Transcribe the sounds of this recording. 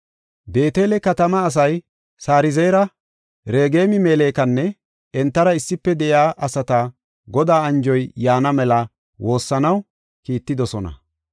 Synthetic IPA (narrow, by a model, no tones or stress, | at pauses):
be̞ːt̪e̞ːlɛkɐt̪ɐmɐːs̬ɐj | saːɾɪzɛjɾɐ | ɾe̞ːɡe̞ːmɪmeːleːkɐnːɛ | ɛnt̪ːɐɾɐɪsːɪpːɛd̪ɛjaːʔɐsɐt̪a | ɡɔd̪aːɐnd͡ʒɔjjaːnɐmɛlɐ | wo̞ːsːɐnɐw | kiːt̪ːɪd̪ɔsɔnɐ̰